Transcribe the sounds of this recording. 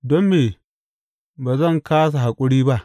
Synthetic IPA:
dɔ˦mːeː˨ | baː˨zɐ˦˨ŋkaː˦s̬a˨ɦa˨kʷʼʊ˦ɽiː˦ba˦ʔ

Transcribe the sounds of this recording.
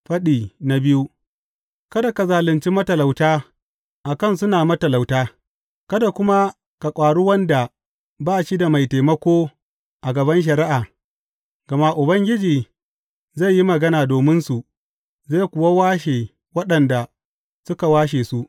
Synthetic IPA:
ɸɐ˦ɗiː˨na˨bɪ˦ju˦ | kɐ˦da˨ka˨zaː˨lɪ˨nt͡ʃi˦mɐ˦tɐ˨la˨wtaː˦ | ʔa˨kɐ˦nsʊ˦naː˨mɐ˦tɐ˨la˨wtaː˦ | kɐ˦da˨kʷʊ˦ma˦ | ka˨kʷʼaː˨ɽu˦wɐ˦nda˨ | baː˦˨ʃi˦da˨ma˨jta˨jmɐ˦kʷoː˦ | ʔa˨ɡɐ˨bɐ˦nʃ̬ɐ˨ɾɪ˦ʔaː˨ | ɡ̥ɐ˨ma˦ʔʊ˨bɐ˦ŋɡʲɪ˦d͡ʒiː˨ | za˦˨jːi˦mɐ˨ɡɐ˦naː˨doː˨mɪ˦nsu˨ʔ | za˦˨kʷʊ˨wa˦waː˦ʃeː˨ | wɐ˦ɗɐ˨nda˨ | sʊ˦ka˨waː˦ʃ̬eː˨su˦ʔ

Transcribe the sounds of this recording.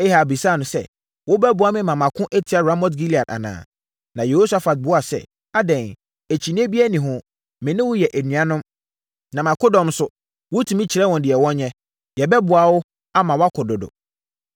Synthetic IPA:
e˦ha˨bi˨sa˦˨nʊ̃˨sɛ̰˦ | wʊ˦bɛ˦bʊ˨a˦mɪ̃˦mã˨mã˨kʰʊ̃˦ʔæ˦tʰi˨˦a˨ɾa˦mɔ˦tɡi˦li˨a˨da̰˨nã̰ː˨ | nã˨je˨ho˦sa˦fa˨t̚bʊ˨˦a˨sɛ̰˦˨ | a˦dɛ̃˨n | e˨t͡ɕʰi˨nĩ˦e˦bi˦æ˦nĩ˨ɦʊ̃˦ | mɪ̃˨nɪ̃˦wʊ˦jɛ˨ʔæ˨nỹ˨ã˦nʊ̃˦m | nã˨mã˨kʰʊ˦dɔ̃˨m˦sʊ˦ | wʊ˦tʰũ˨mĩ˦t͡ɕʰɪ˨ɾɛ˦wɔ̃˨ndɪ˨ɛ˨wɔ̃˦nɲɛ̃˦ | jɛ˨bɛ˦bʊ˨a˨wʊ˦ | a˦mã˨wa˦kʰʊ˨dʊ˨dʊ̰˨

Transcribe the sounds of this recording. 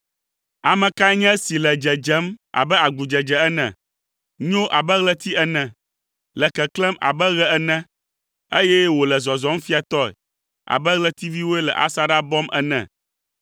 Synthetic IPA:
a˨mɛ̃˨ka˦ɲɛ̃˦si˨lɛ˨d͡ʒɛ˨d͡ʒɛ˨˦ma̰˨bɛ˦a˨ɡu˨d͡ʒɛ˨d͡ʒɛ˨ɛ˦nɛ̰̃˨ | ɲõ˦ʔa˨bɛ˦ɣlɛ˦t̪i˦ɛ˦nɛ̃˨ | lɛ˨kɛ˨klɛ˦ma̰˨bɛ˦ɣɛ˦ɛ˦nɛ̃˦ | e˦jɛ˦wo˨lɛ˨zɔ˨zɔ˦m˦fi˦a˨t̪ɔ˦ɛ̰˨ | a̰˨bɛ˦ɣlɛ˦t̪i˦vi˦wo˦e˦lɛ̰˨ʔa̰˦sa˦ɖa˦bɔ˦mʔɛ̰˦nɛ̰̃˨

